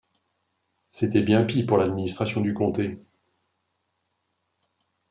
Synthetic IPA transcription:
set̪ɛbjɛ̃pipuʁlad̪minist̪χasjɔ̃d̪ykɔ̃t̪e

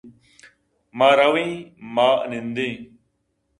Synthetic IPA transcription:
maːɾɐwĩːma̰ːnĩnd̪ẽː

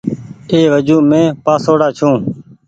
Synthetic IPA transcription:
eːʋəd͡ʒuːmẽːpaːsoːɽaːt͡ʃʰũː

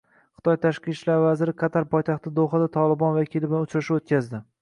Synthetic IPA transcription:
χɨt̪ʰɒjt̪ʰaʃqɨt͡ʃlaɾvazɪɾɪqʰɑt̪ʰaɾpʰɒjt̪ʰaχt̪ɪd̪oχad̪at̪ʰɒlˠɪbɒnvakʲilɪblanʊt͡ʃɾaʃɪot̪̚kʲazd̪ɪ

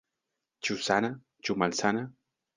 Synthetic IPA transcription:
t͡ʃusana | t͡ʃumalsana

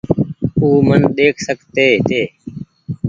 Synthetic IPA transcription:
uːmənɗ̪eːkʰsəkt̪eːɦɪt̪eː

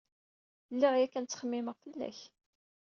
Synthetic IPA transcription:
lːiʁjækːænt͡sːə̥χəmːɪməʁfəlːæ̰ç

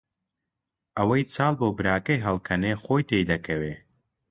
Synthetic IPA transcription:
ʔɐwɐjt͡saːlˠboːbɨɾaːkɐjɦɐlˠkʰɐneχoːjt̪ʰejd̪ɐkʰɐweː

